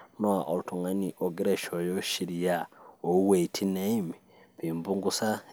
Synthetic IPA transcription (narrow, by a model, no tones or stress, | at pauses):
noaʔolutʰuŋaniʔoɡiɾeʃojoʃiɾijaowetʰineimi | βiːmbuŋɡusa